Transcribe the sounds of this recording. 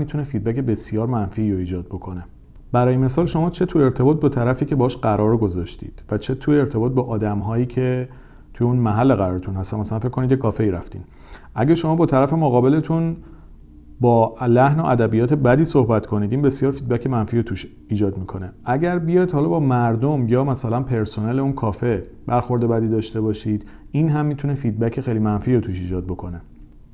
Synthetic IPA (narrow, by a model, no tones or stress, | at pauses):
mit̪ʰunefid̪̚bæce̞be̞sjɒːɾmænfiːɾoiːd͡ʒɒːd̪̚bokʰo̞ne̞ | b̥æɾɒːjeme̞sɒːlʃo̞mɒːt͡ʃʰe̞t̪ʰue̞ɾt̪ʰe̞bɒːt̪̚bɒt̪ʰæɾæfiːcʰebɒhːʃɢæɾʔɒːɾɡo̞zɒʃt̪ḭːd̪̥væt͡ʃʰe̞t̪ʰujeeɾt̪ʰe̞bɒːt̪̚bɒʔɒːd̪æmɦɒːjiːcʰe̞ | t̪ʰujeuːnmæɦælːeɣæɾɒːɾet̪ʰunhæst̪ænmæsælænfekːonid̪jekʰɒːfeiːɾæft̪ḭːn | ʔæɟeʃo̞mɒːbɒːt̪ʰæɾæfe̞moɣɒːbele̞t̪ʰun | bɒːlæhno̞ʔæd̪æbijɒːt̪ʰe̞bæd̪iːsohbæt̪kʰo̞niːd̪iːnbe̞sjɒːɾfiːd̪̚bæcʰe̞mænfiːɾot̪ʰuʃ | iːd͡ʒɒːd̪mikʰo̞ne̞æɟæɾbijɒːjd̪hɒlɒːbɒːmæɾd̪omjɒːmæsælænpʰe̞ɾsoneleunkʰɒːfe̞ | bæɾxo̞ɾd̪e̞bæd̪iːd̪ɒːʃt̪e̞bɒːʃiːd̪̥ | inɦæmːit̪ʰune̞fiːd̪̚bæcʰe̞xejlimænfiːɾot̪ʰuːʃiːd͡ʒɒːd̪̚bo̞kʰo̞ne̞